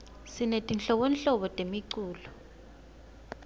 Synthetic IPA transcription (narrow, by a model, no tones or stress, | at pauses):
sinetʼinɬɔk̬ɔnɬɔɓɔtʼemiǀuːlu